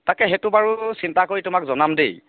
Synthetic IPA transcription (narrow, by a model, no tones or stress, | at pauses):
takɛɦetʊbaɹusintakoɹitʊmakzɔnamdḛj